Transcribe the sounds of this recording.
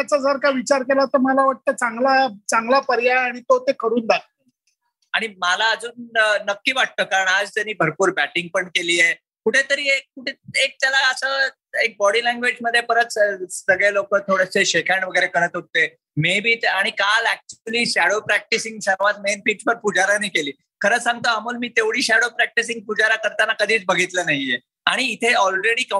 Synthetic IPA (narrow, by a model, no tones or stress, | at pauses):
at͡sad͡zəɾkaʋit͡ɕaɾkelaɦot̪əməlaʋaʈ̚t̪ət͡saŋɡlat͡saŋɡlapəɾjaːɽ̃it̪ot̪ekəɾuːnd̪at̪̚ə | aɽ̃imalaəd͡zuːnːəkːiːʋaʈ̚t̪əːkaɾəɳad͡zt̪anːiːbʱəɾpuːɾbæʈiŋɡ̚pəɳkeliːje | kuʈʰet̪əɾiːekkuʈʰeek̚t̪jalaəsəː | ek̚bɔɽiːlæ̃ŋɡʋed͡ʑməd̪ʱːjepəɾət͡ssəɡɭjalokəːt̪ʰoɽəseɕekʰaɳʋəɡəjɾekəɾət̪ɦot̪ːe | mebʱiːt̪aɽ̃ikalæk̚t͡ɕuliːɕæɽopɾæk̚ʈisiŋɡsəɾʋat̪menpiːt͡ɕpəɾpud͡zaɾaniːkeliː | kʰəɾəːsãŋɡ̚t̪əamuːlmiːt̪eʋɽiːɕæɽopɾæk̚ʈisĩŋɡ̚pud͡zaɾakəɾt̪anakəd̪ʱiːt͡sbəɡʱit̪lənaɦije | aɽ̃iːt̪ʰeɔlɾeɽiːkə